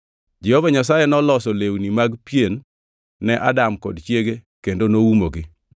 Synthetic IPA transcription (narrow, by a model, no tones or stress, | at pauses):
d͡ʒɛhovaɲas̬ajɛnɔlɔsolewnimaɡpjenː | ɛʔa̰damkɔdt͡ʃjeɡe | kendonowumoɡɪ